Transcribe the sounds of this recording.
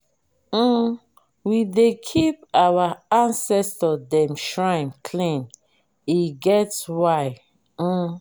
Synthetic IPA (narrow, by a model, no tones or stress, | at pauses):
widekʰip̚awaãnsɛstɔdɛ̃mʃɹãɪ̃mkʰlĩn | iɡɛtswaɪ